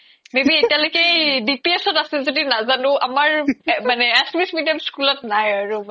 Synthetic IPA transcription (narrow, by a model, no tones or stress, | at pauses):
mebietialojkejdipiesɔtaselzodinazanʊʔamaɹmanɛasmismidjamskulɔtnajaɹu